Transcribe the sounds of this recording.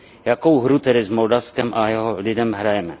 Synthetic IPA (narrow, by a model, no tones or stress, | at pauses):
jakowɦɾut̪ɛdɪzmoldafskɛmʔajɛɦɔlɪdɛmɦɾajɛmɛ